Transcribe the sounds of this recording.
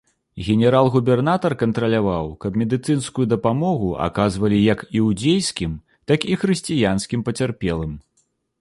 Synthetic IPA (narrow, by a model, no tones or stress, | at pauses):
ɣʲɛnʲɛɾalˠɣubʲɛrnat̪ɐrkɐnt̪ɾɐlʲavawkɐbmʲɛd̪ɨt̪sɨnskujud̪ɐpamɔɣuʔa̰kazvɐlʲijɐkiwd͡zʲejskʲim | t̪akixɾɨsʲt͡sʲijanskʲimpɐt͡sʲarpʲɛlˠɨm